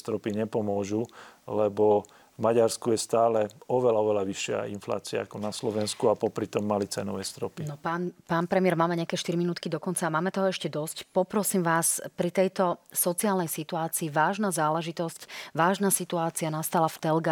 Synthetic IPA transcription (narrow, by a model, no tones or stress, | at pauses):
st̪ɾɔpiɲɛpɔmʊɔʒulɛbɔ | vmaɟaɾskujɛst̪aːlɛɔʋɛlaɔʋɛlaʋiʃːɪa̰ḭnfla̰ːt͡sia̰a̰kɔnaslɔʋɛnskuapɔpɾit̪ɔmːalit͡sɛnɔʋɛst̪ɾɔpinɔpaːnpaːnpɾɛmɪɛɾmaːmɛɲɪakɛːʃt̪iɾiminuːt̪kid̪ɔkɔnt͡saːmaːmɛt̪ɔɦɔɛʃcɛd̪ɔscpɔpɾɔsiːmʋaːspɾit̪ɛjt̪ɔsɔt͡siaːlnɛjsit̪uaːt͡siːʋaːʒnazaːlɛʒit̪ɔscʋaːʒnasit̪uaːt͡sianast̪alaft̪ɛlɡa